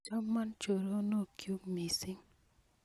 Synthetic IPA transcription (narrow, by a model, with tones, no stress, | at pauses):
t͡ʃɔ˦mːa˦nt͡ʃo˨ɾo˦no˦˨kju˦kmi˨si˦ŋ